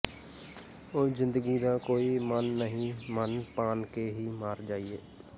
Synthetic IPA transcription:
oːzɪ̃nd̪əɡiːd̪aːkoːiːmənːəɦĩmənpaːnkeɦiːmaːɾd͡ʒaːieː

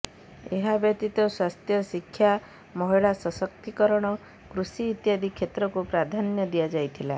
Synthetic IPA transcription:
eɦabjɔt̪it̪ɔswast̪jɔsikʰːja | mɔɦiɭasɔsɔkt̪ikɔɾɔɽ̃ɔ | kɾusiːt̪jad̪ʱikʰːet̪ɾɔkupɾad̪ʱanjɔd̪ijad͡ʒajt̪ʰila

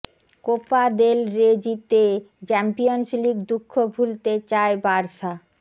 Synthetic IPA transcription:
kopad̪elɾed͡ʑit̪e | t͡ɕɛmpijonsliɡd̪ukʰːobʱult̪et͡ɕaebaɾʃa

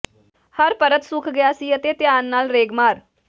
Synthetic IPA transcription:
həɾpəɾət̪sʊkʰɡɪjaːsiːət̪eːt̪ɪjaːnːaːlɾeːɡmaːɾ

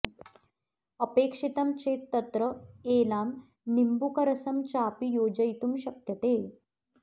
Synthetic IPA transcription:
əpeːkʂit̪ɐmt͡ɕeːt̪ːɐt̪ɾəeːlaːm | nimbukɐɾɐsɐmt͡ɕaːpijoːd͡ʑəjt̪umɕɐkjɐt̪eː

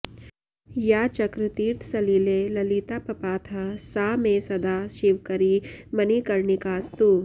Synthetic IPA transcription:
jaːt͡ʃɐkɾɪt̪iːɾt̪ʰsɐliːlelɐlit̪apɐpaːt̪ʰasaːmẽsɐd̪aʃiʋkɐɾimɐnikɐɾnikaːst̪u

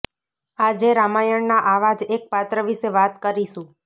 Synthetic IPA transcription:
ad͡ʒeɾamajəɳnaʔaʋad͡ʒek̚pat̪ɾəʋiʃeʋat̪kəɾiʃũ

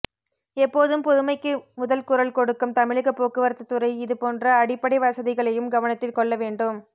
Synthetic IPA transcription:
ɛpːoːðɯmpɔðɯmɐɪkːɯmʊðɐlkʊɾɐlkɔɽɯkːɯmt̪ɐmɪɭɯɣɐpːoːkɯʋɐɾt̪ːɐt̪ːɯrɐɪɪðɯpoːndrɐːɽɪpːɐɽɪʋɐsɐðɪɣɐɭɐjɯmɡɐʋɐnɐt̪ːɪlkɔɭːɐʋeːɳɖɯm

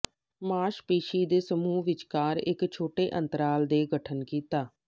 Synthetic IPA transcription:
maːʃpeːʃiːd̪eːsəmuːʋɪt͡ʃkaːɾɪ̰kt͡ʃʰoːʈeːʔənt̪əɾaːld̪eːɡəʈʰənkiːt̪aː

